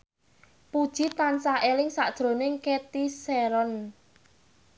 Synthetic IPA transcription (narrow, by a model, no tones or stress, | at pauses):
pud̥ʒ̥i̤t̪ansaʔelɪŋsad̥ʒ̥ɾo̤nɪŋket̪iseɾɔn